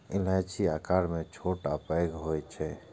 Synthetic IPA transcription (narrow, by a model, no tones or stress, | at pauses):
ɪlat͡ʃʰiakaɾmẽt͡ʃʰoʈapəjɡɦojt͡ʃʰɛ